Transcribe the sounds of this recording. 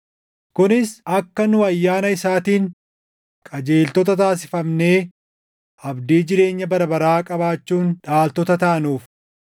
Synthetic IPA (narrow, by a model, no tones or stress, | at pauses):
kʊnɪsɐkːɐnʊɐjːaːnɐɪsaːt̪iːŋ | kʼɐd͡ʒeːlt̪ɔt̪̬ɐt̪aːs̬ɪ̥fɐmne̞ː | ʔɐbd̪iːd͡ʒɪɾe̞ːɲːɐbɐɾɐbɐɾaːkʼɐbaːt͡ʃːuːnᶑaːlt̪ɔt̪ɐt̪ɐʔɐnuːf